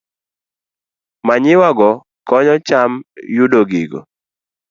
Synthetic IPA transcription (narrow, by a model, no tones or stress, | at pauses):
maɲɪwaɡɔ | kɔɲɔt͡ʃamjudoɡiɡɔ̰